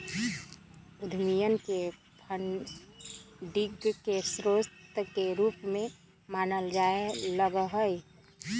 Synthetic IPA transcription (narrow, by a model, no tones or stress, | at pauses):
ud̪ʱmijənke | pʰəɳ | ɖiɡkesɾost̪keɾuːpmẽ | maːnəld͡ʒaeləɡɦəj